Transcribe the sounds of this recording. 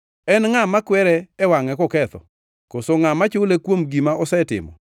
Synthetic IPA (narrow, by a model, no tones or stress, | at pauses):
ɛnŋamakwɛɾɛːwaŋɛkɔkɛt̪ɔ̰ | kosoŋamat͡ʃʊlekwomɡimaɔsɛtɪ̰mɔ̰